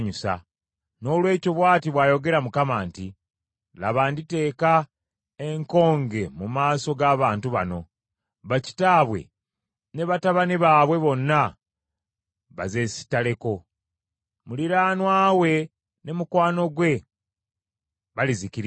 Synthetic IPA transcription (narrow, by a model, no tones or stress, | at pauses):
ɲusa̰ | no̞ːlwe̞ːco̞βwaːtiβwaːjo̞ɡe̞ɾamukamaːnti | laβaːndite̞ːka | e̞ŋko̞ːŋɡe̞mumaːso̞ɡaːβaːntuβa̰no̞ | βaci̥taːβwe̞̰ | ne̞βataβaniβaːβwe̞βo̞nːa | βa̰ze̞si̥tale̞ko̞ | muliɾaːnwaːwe̞ | ne̞mukwaːno̞ɡwe̞ | βalizikiɾ